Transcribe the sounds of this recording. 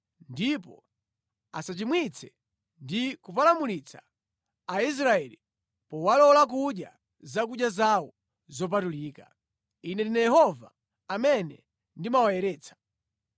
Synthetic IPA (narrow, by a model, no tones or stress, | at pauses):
ndipɔ̰ | a̰sat͡ʃimwit͡sʰɛ | ndikupalamulit͡sʰa̰ː | is̬ɾaɛli | pɔwalɔlak̬uɗja | zak̬uɗjazawɔ | zɔp̬atuliːka̰ | inɛndinɛjɛhɔva | amɛnɛ̰ | ndimawajɛɾɛːt͡sʰḁ